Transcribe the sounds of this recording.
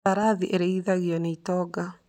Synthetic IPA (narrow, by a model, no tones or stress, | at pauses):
aɾaðiʔeɾeiðaɣjɔneitɔːɡa